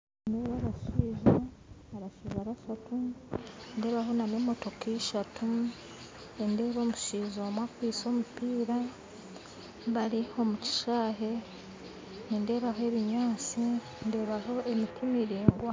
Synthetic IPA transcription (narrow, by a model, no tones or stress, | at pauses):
ndeːβaɾaʃiːʒaβaɾaʃiːʒaɾaʃatu | nde̞ːβaɦo̞nanemo̞to̞kiʃatʰu | ende̞ːβo̞ːmuʃiːzomwakwiːso̞ːmupiːɾa | βaɾiho̞muci̥ʃaːɦe̞ | ninde̞ːβaɦoe̞βiɲaːt͡si | nde̞ːβaɦo̞emitimiɾiːŋɡwa